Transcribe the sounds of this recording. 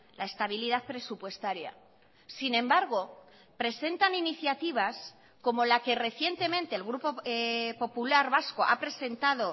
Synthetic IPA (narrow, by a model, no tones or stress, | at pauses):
lʔae̞st̪aβ̞iliðaθpɾe̞supwe̞st̪aɾja̰ | sinẽ̞mbaɾɣ̞o̞ | pɾe̞se̞nt̪aniniθjat̪iβ̞as | ko̞mo̞lake̞re̞θje̞nt̪e̞mẽ̞nt̪e̞ːlɣɾupo̞po̞pulaɾβasko̞ʔa̰pɾe̞se̞nt̪aðo̞